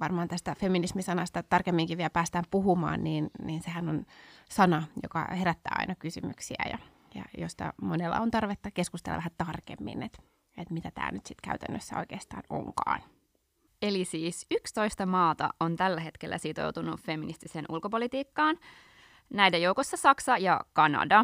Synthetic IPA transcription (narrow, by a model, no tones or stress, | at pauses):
ʋɑrmɑːnt̪æst̪æfeminismisɑnɑst̪ɑt̪ɑrkemːiŋkiʋiælpæːst̪æːmpuɦumɑ̰ːnniːnniːnsehænonsɑnɑjo̰kɑ̰heɾæt̪ːæ̰ːɑ̰inɑkysymyksiæ̰jɑ̰ | jɑ̰jost̪ɑ̰monelːɑ̰ont̪ɑrʋet̪ːɑke̞skust̪elːɑ̰ʋæhæt̪ɑrkḛmːḭnet̪ | et̪mit̪æt̪æ̰ːnyt̪sit̪kæyt̪ænːøsːæo̞̰ikeːst̪ɑ̰ːno̰ŋkɑ̰ːn | elisiːsykst̪o̞ist̪ɑmɑːt̪ɑ̰ont̪ælːæɦe̞t̪kelːæ̰sit̪o̞̰wt̪unufeminist̪iseːnʔulkopolit̪iːkːɑːn | næidejouwkosːɑsɑksɑjɑkɑnɑ̰dɑ